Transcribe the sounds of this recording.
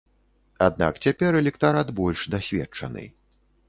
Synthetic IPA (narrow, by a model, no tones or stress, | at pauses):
ad̪̚na̰kt͡sʲapʲɛɾɛlʲɛkt̪aɾat̪bɔlʲʂd̪asʲvʲɛ̰t͡ʂɐ̰nɨ̰